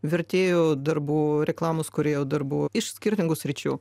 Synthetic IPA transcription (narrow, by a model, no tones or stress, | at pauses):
ʋʲɪɾʲt̪ʲeːjoːd̪ɐrbuːɾʲɛklˠɑːmʊskʊɾʲeːjɛʊd̪ɐrbuːɪʃsʲkʲɪɾʲt̪ʲɪŋɡʊsʲɾʲɪt͡ʃʲuː